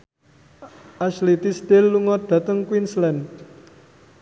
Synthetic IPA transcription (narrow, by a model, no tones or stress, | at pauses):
ʔaslit̪ist̪elːuŋɔd̪̥a̤t̪əŋkwinslɛn